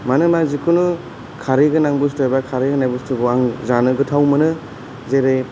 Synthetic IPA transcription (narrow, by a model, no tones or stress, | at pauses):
manɯmazikʰunɯ | kʰaɾiɡɯnaŋbustojbakʰaɾiɡɯnajbustʰuɡɯaŋzanɯɡɯtʰawmɯnɯ | zeɾe